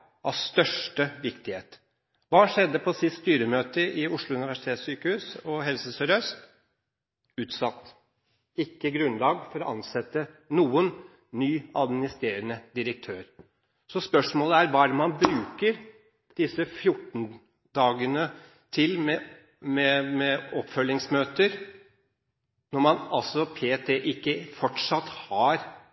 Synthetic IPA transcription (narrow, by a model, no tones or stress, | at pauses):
ʔɑ̰ʋst̪œʂʈəʋɪkt̪ɪheːt̪ | ʋɑːʂɛd̪ːəpʰɔsɪsst̪yːɾəmøːt̪əʔɪʊʂɭʊʉnɪʋæʂɪ̥t̪ʰeːt̪ssyːkəhʉːsɔɦɛlsəsœɾœst̪ | ʉːt̪sɑt̪ː | ɪkːəɡɾʉnlɑːɡfɔɾɔʔɑnsɛt̪ːənuːən | nyːɑd̪mɪnɪst̪ɾeːɾənəd̪ɪɾək̚t̪ʰøːɾ | sɔspœʂmoːləæɾʋɑːædɛnmɑnbɾʉːkəɾ | d̪̥ɪsːəfjʊʈːn̩ | d̪ɑːɡənə | t̪ʰɪlmɛ | mɛmɛɔpːfœlːɪŋsmøːt̪əɾ | nɔɾmɑnɑlsɔpʰeːt̪ʰeʔɪkːəfɔʈʂɑt̪ːhɑɾ